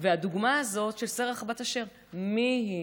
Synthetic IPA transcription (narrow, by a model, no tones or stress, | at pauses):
veaduɡmaazo̞tʃe̞lseʁaχabataʃe̞ʁ | miɦi